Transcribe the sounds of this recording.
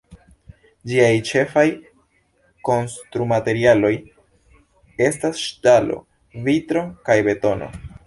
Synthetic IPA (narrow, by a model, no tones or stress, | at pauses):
d͡ʒiajt͡ʃe̞faj | ko̞nstɾumate̞ɾialo̞j | e̞stasʃtalo̞̰ | vitɾo̞kajbe̞to̞no̞̰